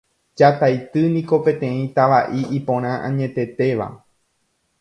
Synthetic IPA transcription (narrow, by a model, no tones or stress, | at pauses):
d͡ʒat̪ajt̪ɨnĩko̞pẽ̞t̪ẽ̞ĩt̪aʋaʔiʔipõ̞ɾ̃ãʔãɲẽ̞t̪e̞t̪e̞ʋa̰